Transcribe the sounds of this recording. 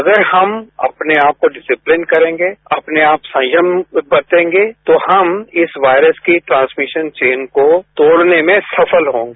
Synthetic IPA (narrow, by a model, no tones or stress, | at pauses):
ɐɡəɾhɐmɐ̰pneaːp̚koɖɪsɪplɪnkɐɾẽːŋɡeɐpneaːpsɐ̃d͡ʒəmbɐt̪ẽːŋɡeːt̪ohɐmɪsʋaːɪɾəskiʈɾãːnsmɪʃənt͡ʃeːnkot̪oːɽnemẽsɐfʰəlɦõːŋɡe